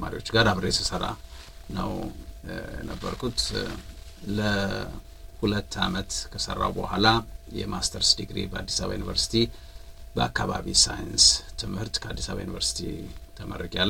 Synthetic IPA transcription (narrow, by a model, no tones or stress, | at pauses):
ma̰ɾio̞t͡ʃːɡaɾaβɾəjɛsʰəsəɾanəw | jɛ̰nəbːəɾkʰut̪ | lə | hulət̪ːamət̪kʰəsə̰rːa̰wbəhʷalajɛmast̪ʰəɾsd̪iɡɾibəad̪ːisaβajunivəɾsi̥t̪ʰi | bəakːaβaβisajɨnst̪ʰɨmhɨɾt̪kʰəad̪ːisaβajunivəɾsi̥t̪ʰḭt̪ʰəməɾəɡalː